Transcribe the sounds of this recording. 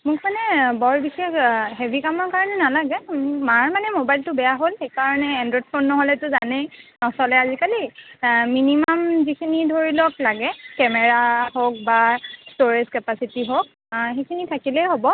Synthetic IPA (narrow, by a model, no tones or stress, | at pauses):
mʊkʰmanɛbɔɹbisekɦebʱikamɔɹkaɹɔnɛnalaɡɛmaɹmanɛmobajltʊbɛjaɦolxejkaɹɔnɛɛndɔt̚pʰonnɔɦolɛtʊzanɛjnɔsɔlɛazikaliminimamzikʰinidʱoɹilɔklaɡɛkɛmɛɹahok̚bastoɹezkɛpasitiɦok̚ | xekʰinitʰakilɛɦobɔ